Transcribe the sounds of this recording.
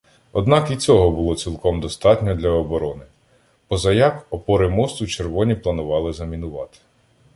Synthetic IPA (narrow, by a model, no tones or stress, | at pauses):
ɔd̪nɑkit͡sʲɔɦɔbʊlˠɔt͡sʲilˠkɔmd̪ɔst̪ɑtʲnʲɔd̪ʲlʲɐɔbɔɾɔnɪ | pɔzɐjɑkɔpɔɾɪmɔst̪ʊt͡ʃerʋɔnʲiplˠɐnʊʋɑlˠɪzɐmʲinʊʋɑ̰t̪ɪ̥